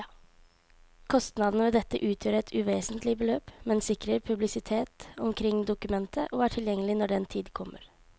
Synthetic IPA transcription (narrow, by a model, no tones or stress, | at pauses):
kʰɔst̪nɑd̪n̩əʋeːd̪ɛt̪ːəʔʉːt̪ʰjøːɾəɛt̪ʰʉːʋeːsənt̪ʰlɪbəløːpmɛnsɪkɾəɾpʰʉblɪsɪt̪ʰeːt̪ɔmkʰɾɪŋːd̪ʊkʉmɛnt̪ʰəʔoːæːʈʰɪljɛŋːəlɪnɔɖɛɛːnt̪ʰiːd̪kʰɔmːə̰ɾ